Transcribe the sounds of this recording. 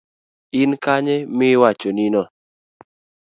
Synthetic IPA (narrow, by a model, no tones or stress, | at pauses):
ɪnkaɲɛmɪwat͡ʃɔninɔ